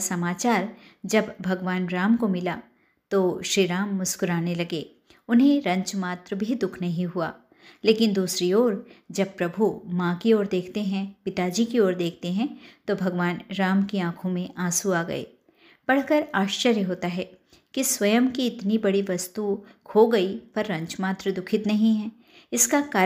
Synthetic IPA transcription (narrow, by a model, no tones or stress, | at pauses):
sɐmaːt͡ʃaːɾ | d͡ʒɐbbʱɐɡʋaːnɾaːmkomɪla | t̪oːʃɾiːɾaːmːʊskʊɾaːnelɐɡeː | ʊnɦẽɾɐ̃ɲt͡ʃmaːt̪ɾəbʱid̪ʊkʰnɐɦĩɦua̰ː | leːkɪnd̪uːsɾioːɾd͡ʒɐb̚pɾɐbʱumãkioːɾd̪eːkʰt̪eɦɛ̃pɪt̪aːd͡ʒikioːɾd̪eːkʰt̪eɦɛ̃t̪obʱɐɡʋaːnɾaːmkiãːkʰõmẽʔaːsuaːɡɐ̰ḛː | b̥ɐɽ̤kəɾaːʃt͡ʃəɾjəɦoːt̪aɦɛː | kisʋɐjəmkiɪt̪nibɐɽiʋɐst̪ukʰoɡɐipɐɾːɐ̃ɲt͡ʃmaːt̪ɾəd̪ʊkʰɪt̪nɐɦĩɦɛ | ɪskakaː